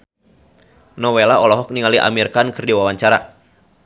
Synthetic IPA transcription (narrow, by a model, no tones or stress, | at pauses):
nɔwelaɔlɔɦɔk̚niŋaliʔa̰mirkankɨrdiwawaɲt͡ʃaɾa̰